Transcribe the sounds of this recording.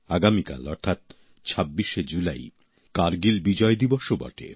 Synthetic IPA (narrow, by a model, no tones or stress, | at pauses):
aɡamika̰lɔɾt̪ʰat̪̚ | t͡ɕʰabːiʃed͡ʑula̰j | kaɾɡilbid͡ʑɔed̪iboʃobɔ̰ʈḛ